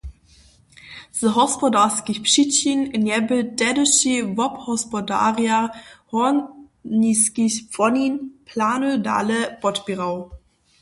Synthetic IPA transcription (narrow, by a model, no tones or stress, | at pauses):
z̥əɦɔspɔdaskiçpʃit͡ɕinɪnjɛbəd̥ɛdəʃivɔphɔspɔda̰ːʁiahɔ | niskiçpfɔninpʰlaːnuda̰ːləb̥ɔtb̥iʁaʊ